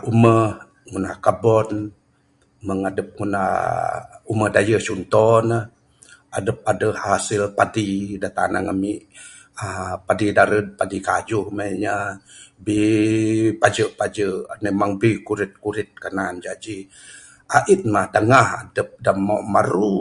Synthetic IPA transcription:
ʔuməh | ŋunahkabɔn | məŋadəp̚ŋuna̰ | uməhdajəsunt̪ɔnəh | adəp̚adəhhasɪlpadidat̪a̰na̰ŋamiʔ | apadidaɾəd̚padikad͡ʒuhmajɲabi | pad͡ʒəʔpad͡ʒəʔmemaŋbikuɾɪt̪̚kuɾɪt̪̚kənand͡ʒad͡ʒi | ʔaʔit̪̚mahdaŋaha̰dəp̚damɔʔmaɾu

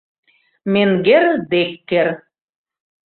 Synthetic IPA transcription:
meŋɡerd̪ekːer

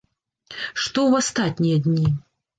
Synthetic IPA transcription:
ʂt̪ɔwast̪at̪ʲnʲijɐd̪ʲnʲi

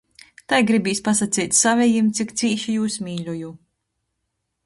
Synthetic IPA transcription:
t̪ajɡɾibʲiːsʲpasat̪siːt̪ʲsavʲɛjimt̪sʲikt̪siːʃijuːsmʲiːlʲuju

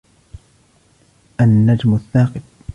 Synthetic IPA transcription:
ʔanːad͡ʒmʊθːaːqɨt̪̚

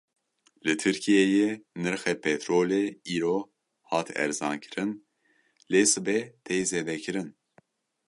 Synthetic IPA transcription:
lɨt̪ʰɨɾkʰijɛjenɨɾxɛpʰɛt̪ɾoːleiːɾoː | hɑːt̪ʰɛ̰ɾzɑːnkʰɨ̥ɾɨn | leːsɨbɛt̪ʰejzeːd̪ɛkʰɨɾɨn

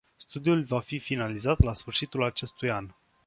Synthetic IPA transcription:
st̪ud̪iulvafifinalizat̪lasfɨrʃit̪ulat͡ʃe̞st̪ujan

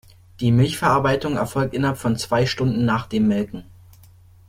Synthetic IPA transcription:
d̥iːmɪlçfɛɐʔaɐbaɪtʊŋɛɐfɔlk̚tʔɪnɐhɦapfɔnt͡sv̥aɪʃtʊndn̩ːaːχd̥eːmːɛlkŋ̩

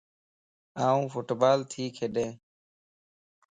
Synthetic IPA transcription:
aːũːfʊʈbaːlt̪ʰiːkʰeːɗẽː

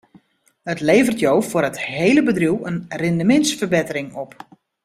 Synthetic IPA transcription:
ətleːvərtjowfʊrətheːləbədruwənrɪndəmɪntsfərbɪtərɪŋɔp

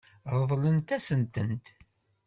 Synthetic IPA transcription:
ɾˤəðˤlənt̪æsənt̪ənt̪

